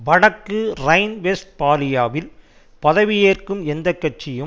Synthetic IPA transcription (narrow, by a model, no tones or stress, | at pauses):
ʋɐɽɐkːɯrɐɪnʋesʈ̚paːlɪjaːʋɪl | pɐðɐʋɪjeːrkɯmɛnd̪ɐkːɐʈ̚t͡ʃːɪjɯm